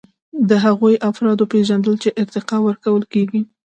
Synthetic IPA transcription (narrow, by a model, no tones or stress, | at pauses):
d̪əɦaɣujʔafɾɑd̪opeʒand̪əlt͡ʃeʔɪɾt̪ɪqɑwəɾkawəlkeɡi